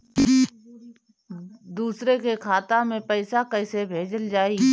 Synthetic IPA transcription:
d̪uːsɾekekʰaːt̪amẽpəɪsakəɪsebʱeːd͡ʒəld͡ʒaːi

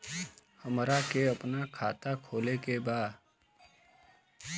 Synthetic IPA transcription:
həmɾakeəpnakʰaːt̪akʰoːlekebaːd̪

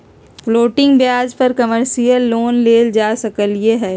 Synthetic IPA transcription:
floːʈɪ̃ŋɡbjaːzpɐɾkɐməɾsijəlːoːnleːld͡ʒaːsɐkəljeɦɛː

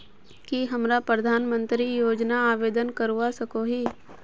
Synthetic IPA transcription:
kiɦɐmɾapɾɐd̪ʱaːnmə̃nt̪ɾijoːd͡ʒnaaːʋeːd̪ənkəɾuwasɐkoɦiː

